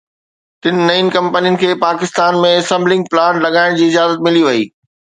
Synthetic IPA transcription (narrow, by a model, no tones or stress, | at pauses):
t̪ɪnɪ̆ːɐinkɐ̃mpənijənɪ̆kʰeːpaːkɪst̪aːnmẽsɐ̃mblɪ̃ŋɡ̚plaːnlɐɡaːɪɽ̃d͡ʑiːzɪaːzət̪̚mɪliʋɐiː